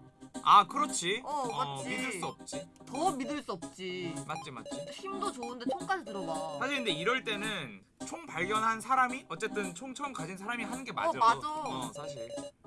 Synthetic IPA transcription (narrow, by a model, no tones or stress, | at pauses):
akɯɾʌt͡ɕʰiʌat͡ɕʰimidɯɭss͈uʌp̚t͡ɕ͈i | tʌmidɯɭs͈uʌp̚t͡ɕ͈imat̚t͡ɕ͈ima̰t͡ɕ͈içimdot͡ɕoɯndet͡ɕʰoŋk͈ad͡ʑitɯɾʌbasʰaɕʰiɾinde̞iɾʌɭt͈e̞nɯn | t͡ɕʰoŋpaɭɡjʌnɦansʰaɾamiʔʌt͡ɕ͈e̞t͈ɯnt͡ɕʰoŋt͡ɕʰʌŋkad͡ʑinsʰaɾamiɦanɯnɡe̞ma̰ad͡ʑasʰaɕʰiɾ